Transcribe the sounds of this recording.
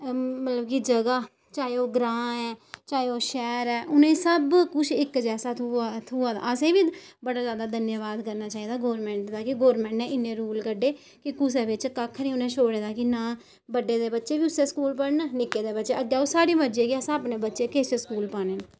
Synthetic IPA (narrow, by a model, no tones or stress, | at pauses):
mət̪ləbkid͡ʒəɡaː | t͡ʃaːeoːɡɾãːɛːt͡ʃaːeoːʃɛːɾɛːʔʊnẽːsəbkʊt͡ʃʰɪkd͡ʒɛːsaːt̪ʰuːãːd̪a̰ːəsẽːʋiːbəɽaːzjaːd̪aːd̪ənjəʋaːd̪kəɾnaːt͡ʃaːiːd̪aːɡoːɾmɛ̃ːɳʈd̪aːkɪɡoːɾmɛ̃ːɳʈɛ̃ːʔɪnːẽːɾuːlkəɖeː | kɪkʊs̬eːʋɪt͡ʃkəkʰːnĩːʊnẽːʃoːɽeːd̪aːkɪnaː | bəɖːeːd̪eːbətːʃeːʋiːʊsẽːskuːlpəɽnənɪkːeːd̪eːbətːt͡ʃeːʔəɡjaːoːsaːɽiːməd͡ʒeːkiəsaəpneːbətːʃeːkeːseːskuːlpaːneːn